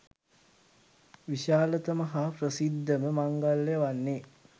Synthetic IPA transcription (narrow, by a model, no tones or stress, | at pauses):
ʋiʃaːlət̪əmɐɦapɾəsid̪ːəməmaŋɡalːejəʋanːe